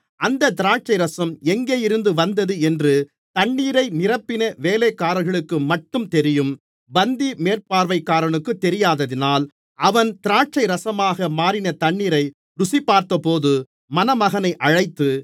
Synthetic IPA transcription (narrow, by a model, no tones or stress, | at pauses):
ʔɐnd̪ɐt̪ɪɾaːʈ̚t͡ʃɐɪɾɐsɐmɛŋɡeːjɪɾɯnd̪ɯʋɐnd̪ɐðɯɛndrɯ | t̪ɐɳːiːɾɐɪnɪrɐpːɪnɐʋeːleːkːaːɾɐɣɐɭɯkːɯmɐʈːɯmt̪ɛɾɪjɯm | bɐnd̪imeːrpaːɾʋɐɪkːaːɾɐɳɯkːɯt̪ːɛɾɪjaːðɐðɪnaːl | ʔɐʋɐnt̪ɪɾaːʈ̚t͡ʃɐɪɾɐsɐmaːɣɐmaːɾɪnɐt̪ɐɳːiːɾɐɪ | ɾʊsɪpːaːɾt̪ɐpoːðɯ | mɐnɐmɐɣɐnɐɪʔɐɻɐɪt̪ːɯ